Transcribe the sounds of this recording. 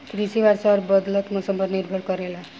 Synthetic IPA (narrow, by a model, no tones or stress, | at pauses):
kɾisiwaɾsʌɾbʌd̪lʌt̪mʌsʌmbʌɾniɾbʱʌɽkʌɾela